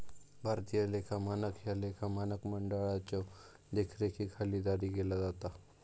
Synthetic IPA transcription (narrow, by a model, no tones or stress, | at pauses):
bʱaɾt̪ijalekʰamanəkʰjalekʰamanəkməɳɖaɭat͡ɕo | d̪ekʰɾekʰikʰalid̪aɾiɡelad͡zat̪a